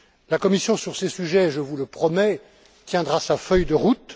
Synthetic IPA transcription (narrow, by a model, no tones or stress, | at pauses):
lakɔmisjɔ̃syʁsesyʒɛʒəvuləpχɔmɛ | t̪jɛ̃d̪ʁasafœjd̪əʁut̪